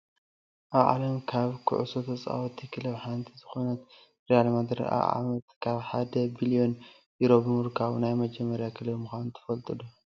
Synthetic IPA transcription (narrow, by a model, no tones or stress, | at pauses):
ʔaβʕa̰lɐmkʰaβkʰɨ̰ʕṵsot̪ʰɐt͡sʼa̰wot̪ʰːikʰɨlɐβħant̪ʰizɨxo̞nɐt̪ | ɾialmad̪ɾḭʔa̰ʕa̰mɐt̪kʰaβħad̪ɐbilijo̞n | jiɾobɨmuɾkʰaβnajmɐd͡ʒɐmːɐɾjakʰɨlɐβmɨxʷanunt̪ʰɐ̥fɐlt̪ʼɨlu